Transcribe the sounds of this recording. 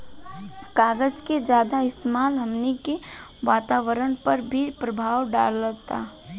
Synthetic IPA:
kaːɡəd͡ʒked͡ʒjaːd̪aɪst̪emaːlɦɐmnekeʋaːt̪aːʋəɾəɽ̃pɐɾbʱipɾəbʱaːwɖa̰ːlːət̪a̰ː

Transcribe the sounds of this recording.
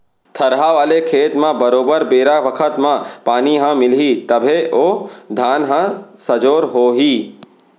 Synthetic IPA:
t̪ʰɐɾɦaʋaːlekʰeːt̪mãbɐɾoːbəɾbeːɾaʋɐkʰət̪mãpaːniɦãmɪlɦit̪ɐbʱeʔoːd̪ʱaːnɦãsɐd͡ʒoːɾɦoːɦiː

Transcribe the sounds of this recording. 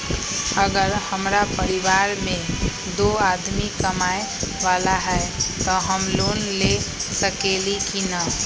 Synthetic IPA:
əɡəɾhəmɾapəɾiʋaːɾmẽ | d̪oaːd̪mikəmaːe | ʋaːlaɦɛt̪ɔɦəmloːnlesəkelikina

